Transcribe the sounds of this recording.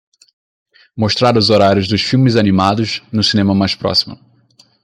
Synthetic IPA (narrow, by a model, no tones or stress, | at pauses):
moʃt̪ɾaɾʊzoɾaɾʲjʊzd̪ʊʃfiwmɪzanimad̪ʊznʊsinẽmɐmajspɾɔ̰si̥mʊ̰